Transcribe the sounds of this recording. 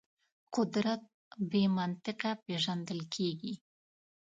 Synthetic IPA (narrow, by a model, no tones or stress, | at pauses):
qʊd̪ɾat̪̚ | bemant̪ɪqapeʒand̪əlkʰeɡi